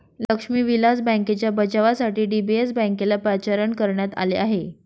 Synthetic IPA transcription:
ləkʂmiːʋilad͡zbə̃ŋket͡ɕjabət͡ɕaʋasaʈiːɖibiesbə̃ŋkelapɾat͡ɕaɾəɳkəɾɳjat̪a̰leaɦe

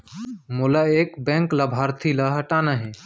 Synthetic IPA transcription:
mulaeːkbɛ̃ŋkləbʱaɾt̪ʰiləɦɐʈaːnaɦɛ̃

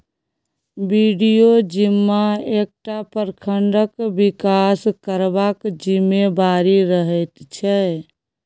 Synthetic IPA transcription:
biɖijod͡ʒimːaek̚ʈapəɾkʰəɳɖəkbikaskəɾbakd͡ʒimebaɾiɾəɦɛt̪t͡ʃʰɛ

